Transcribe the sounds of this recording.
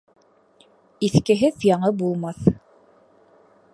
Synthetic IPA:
iθkɘ̆ɦɘðjɑɴɤbulˠmɑθ

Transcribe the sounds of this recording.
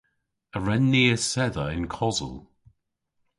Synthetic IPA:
əɹɛnːiːəsɛðəɪnkʰɔzə̰lˠ

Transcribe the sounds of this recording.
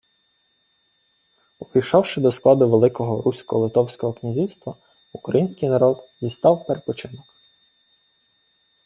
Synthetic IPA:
ɔpijʃɔwʃɪd̪ɔsklˠɑd̪ʊʋelˠɪkɔɦɔɾusʲkɔlˠɪt̪ɔwsʲkɔɦɔknʲizʲiwst̪ʋɐ | ukɾɐjinʲsʲkijnɐɾɔd̪zʲist̪ɑwpeɾepɔt͡ʃɪnɔk

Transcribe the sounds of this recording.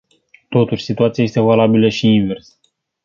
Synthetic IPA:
t̪o̞t̪uʃʲsit̪uat̪sijaje̞st̪evalabiləʃiinve̞rs

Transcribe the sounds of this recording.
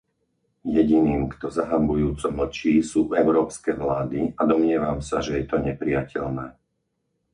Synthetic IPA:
jɛɟiniːmkt̪ɔzaɦambujuːt͡sɔml̩t͡ʃiːsuːɛʊɾɔːpskɛːʋlaːd̪iad̪ɔmɲɪɛʋamsaʒɛjɛt̪ɔɲɛpɾijacʰɛʎnɛː

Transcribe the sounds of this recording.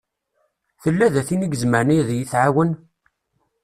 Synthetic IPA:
θəlːæðæθinəɡəzməɾniðjiθʕawən

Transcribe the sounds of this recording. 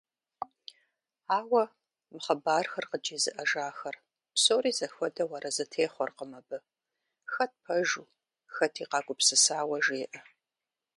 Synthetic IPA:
aːwɐ | mɨχɐbaːrxɐrqəd͡ʒeːzɨʔɐʒaːxɐr | psoːriːzɐxʷɔdɐwɐɾɐzɨtʰeːχʷɔrqəmɐbɨ | xɐt̚pʰɐʒuː | xɐtʰiːqɑːɡʷʼʊpsɨsaːwɐʒeːʔɐ

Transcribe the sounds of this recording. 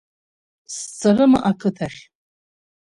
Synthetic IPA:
st͡sʰarɨma̰ʔakʰɨtʰaχʲ

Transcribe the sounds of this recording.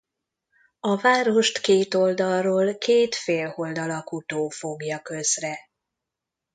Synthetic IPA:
ɒvaːɾo̞ʃt̪keːt̪o̞ld̪ɒlroːlkeːt̪feːlho̞ld̪ɒlɒkut̪oːfo̞ɡjɒkø̞zrɛ

